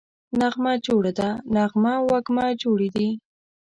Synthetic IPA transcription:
naɣmad͡ʒoɽad̪anaɣmawaɡmad͡ʒoɽid̪i

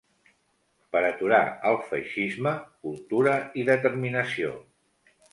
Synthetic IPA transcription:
pəɾət̪uɾa̰əlˠfə̰jʃizməkulˠt̪uɾəiðət̪əɾminəsio

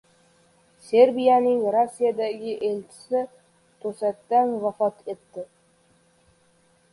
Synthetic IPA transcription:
seɾbijanɪŋɾosːijad̪aɡʲɪʔelt͡ʃʰɪ̥sɪ | t̪ʰɵsat̪ːanvafɒt̪ʰe̞t̪ːɪ

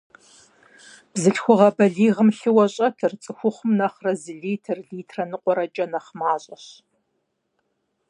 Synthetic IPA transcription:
b̥zɨɬxʷʊʁɐbɐɮiːʁəmɬɨwɐɕʼɐtʰɨrt͡sʼɨxʷʊχʷʊmnɐχrɐzɨɮiːtʰɨrɮiːtʰrɐnɨqʷʼɔɾɐt͡ʃʼɐnɐχmaːɕʼɐɕ

